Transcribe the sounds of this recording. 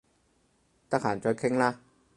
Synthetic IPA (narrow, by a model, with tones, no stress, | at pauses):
t̪aː˧˩kʰaː˨˩˦nt͡ɕɔ˧jkʰɛ˥˩ŋla˦˥˩k̚